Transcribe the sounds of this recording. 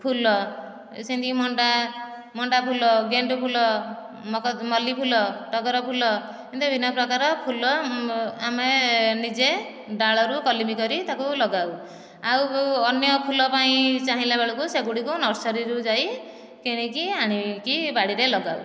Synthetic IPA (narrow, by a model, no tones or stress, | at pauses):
pʰulɔ | sint̪ikimɔɳɖa | mɔɳɖapʰulɔɡeɳɖupʰulɔ | mɔkmɔlipʰulɔʈɔɡɔɾɔpʰulɔ | kint̪ubʱinɔpɾɔkaɾɔpʰulɔamenid͡ʒe | ɖaɭɔɾukɔlimikɔɾit̪akulɔɡaw | awɔnjɔpʰulɔpaĩt͡ʃaɦĩlabeɭɔkuseɡuɽikunɔɾsɔɾiɾud͡ʒaj | keɽ̃ikiaɽ̃ikibaɽiɾelɔɡaw